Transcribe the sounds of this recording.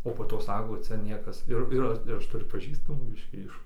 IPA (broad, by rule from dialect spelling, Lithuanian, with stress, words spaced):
oː poː ˈtoː ˈsɑːkoː ˈt͡sʲɛ ˈnʲiɛkɐs ˈɪr ˈɪr ɪr ˈɐʃ tʊˈrʲʊ pɐˈʒʲiːstɐmuː ˈbʲɪʃʲkʲiː ˈɪʃ